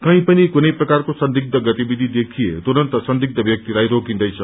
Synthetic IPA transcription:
kʌ̃ĩpʌnikunʌjprʌkarkosʌnd̪ʱik̚d̪ʌɡʌt̪ibid̪ʱid̪ekʰijet̪oɾʌnt̪ʌsʌnd̪ʱik̚d̪ʌbʱjʌk̚t̪iɾajɾokĩnd̪ʌjt͡sʰʌ

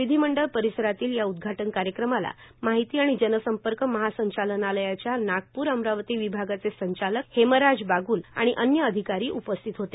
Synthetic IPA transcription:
ʋid̪ʱiməɳɖəlpəɾisəɾat̪iːljaud̪̚ɡʱaʈənkaɾjəkɾəmala̰maɦit̪iːaɽ̃id͡ʑənəsəmpəɾkəməɦasəɲt͡ɕalənaləjat͡ɕjanaɡ̚puːɾəmɾaʋt̪iːʋibʱaɡat͡sesəɲt͡ɕaləkheməɾad͡zbaɡuːla̰ɽ̃iʔənjəːd̪ʱikaɾiːʔupəst̪ʰit̪ɦot̪e

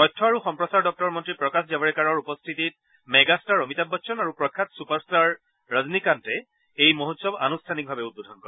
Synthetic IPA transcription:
ɔjtʰːɔaɹuxɔmpɹɔsaɹdɔk̚tɔɹmɔntɹipɹɔkaszabɔɹɛkaɹɔɹupɔstʰitit̚ | mɛɡastaɹomitabɔʃʰɔnaɹupɹɔkʰːatsupaɹstaɹː | aznikantɛ | ejmoɦutsɔba̰nustʰanik̚bʱabɛut̚bodʱɔnkɔɹɛ

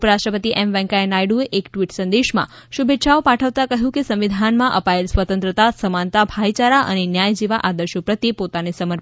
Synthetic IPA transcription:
upəɾasʈɾəpət̪iʔɛmʋɛ̃ŋkaenajɖueʔekʈʋiʈsə̃nd̪eʃmã̰ʃubʱet̪ːʃaopaʈʰəʋt̪akəɦjũkesə̃mʋid̪ʱanmãʔəpaelsʋət̪ənt̪ɾət̪asəmant̪abʱajt͡ʃaɾaʔə̰nenjajd͡ʒiʋaʔad̪əɾʃopɾət̪jepot̪anesəməɾ

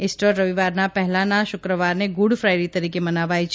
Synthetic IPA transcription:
ɪsʈəɾːəʋiʋaɾnapɛɦɛlanaʃʊkɾəʋaɾneɡʊɽfɾajɾit̪əɾikemənaʋajt͡ʃʰ

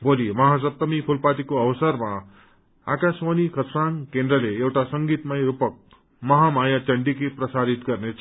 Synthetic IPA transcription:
bolimʌɦasʌp̚t̪ʌmipʰulpat̪ikoʌbʌsʌrma | a̰kaswanikʰʌt̪saŋkend̪rʌleewʈasʌŋɡit̪majɾupʌk̚ | mʌɦamajat͡sʌɳɖikiprʌsaɾit̪ɡʌrnet͡sʰ

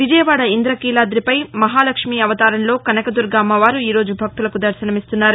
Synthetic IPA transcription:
ʋid͡ʒɐjɐʋaːɽɐind̪ɾɐkiːlaːd̪ɾipɐjmɐɦaːlɐkʂmiːɐʋɐt̪aːɾɐnlo̞ːkɐnɐkɐd̪uɾɡaːmɐʋaːɾuiːɾo̞ːd͡ʒubʱɐk̚t̪ulɐkud̪ɐɾsɐnɐmist̪unːaːɾu

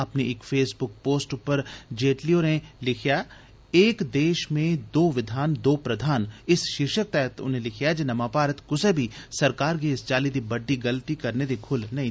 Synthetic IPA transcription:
ɐpneeːkfeːsbʊk̚poːsʈʊpəɾd͡ʒeːʈlioːɾẽlɪkʰjaː | eːkd̪eːʃmẽd̪oːʋɪd̪ʱaːnd̪oːpɾɐd̪ʱaːnɪsʃɪɾʃək̚t̪ɛːɦt̪ʊ̰nɦẽlɪkʰjad͡ʒenɐmãːpaːɾət̪kʊsebʱisɐɾkaːɾkeɪst͡ʃaːlid̪ibɐɖːiɡɐlt̪ikɐɾned̪ekʰʊlnɐɦĩ

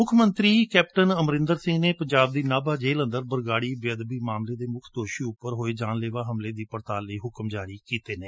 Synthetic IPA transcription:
mʊkʰmə̃nt̪ɾiːkɛːpʈənəmɾɪ̃nd̪əɾsɪ̃ŋɡneːpəɲd͡ʒaːb̚d̪iːnaːbaːd͡ʒeːlə̃nd̪əɾbəɾɡaːɽiːbɪəd̪biːmaːmleːd̪eːmʊkʰd̪oːʃiːʊppːəɾɦoːeːd͡ʒaːnleːʋaːɦəmleːd̪iːpəɾt̪aːləiːɦʊkəmd͡ʒaːɾiːkiːt̪eːneː

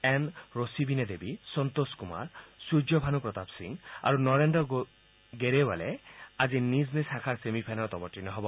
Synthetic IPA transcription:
ɛnɹosibined̪ebisɔnt̪oskuma̰ɹsud͡ʒɔbʱanupɹɔt̪apsḭŋa̰ɹunɔɹenɖɔ | ɡeɾewalɛaziniznisakʰaɹsemipʰajnɔɹt̪ɔmɔʈːinɔɦɔbɔ

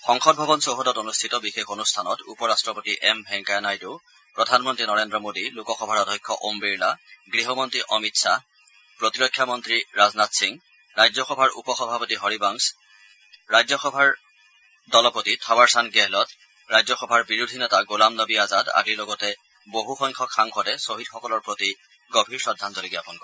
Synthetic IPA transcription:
xɔŋxɔd̚bʱɔbɔnsoɦɔdɔtonustʰitɔbixekʰonustʰanɔtupɔɹastɹɔpotiʔɛmbʱɛŋkajnajdu | pɹɔdʱanmɔntɹinɔɹendɹɔmodilukɔxɔbʱaɹɔdʱɔjkʰːɔʔombiɹlaɡɹiɦɔmɔntɹiʔɔmitsa | pɹotiɹɔkʰːjamɔntɹiɹaznatsiŋ | ɹajzɔxɔbʱaɹʔṵpɔxɔbʱapotiɦɔɹibaŋs | ɹajzɔxɔbʱaɹ | dɔlɔpotitʰabaɹsanɡɛɦlɔt | ɹajzɔxɔbʱaɹbiɹudʱinɛtaɡulamnɔbiazada̰ɡilɔɡɔtɛ | boɦuxɔŋkʰɔkxaŋxʰɔdɛsoɦidxɔkɔlɔɹpɹoti | ɡobʱiɹsɔdʱːantɔleɡiapɔnkɔ

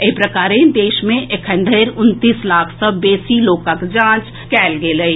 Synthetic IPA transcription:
epɾɐkaːɾẽd̪eːʃmẽʔekʰə̃ɳɖ̪ʱeɾʊnt̪iːslaːkʰsɐbːeːsiloːkəkd͡ʒãːt͡ʃ | kɛːlɡeləi

